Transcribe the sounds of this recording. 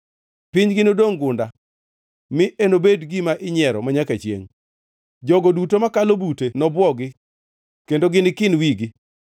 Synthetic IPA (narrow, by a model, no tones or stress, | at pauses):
pɪɲɡɪnodoŋɡʊnda | mɪʔenobedɡɪmaʔɪɲɛɾɔ̰maɲakat͡ʃjḛŋ | d͡ʒɔɡɔdutomakalobutenɔbwɔɡɪ | kendoɡɪnɪkɪnwiɡɪ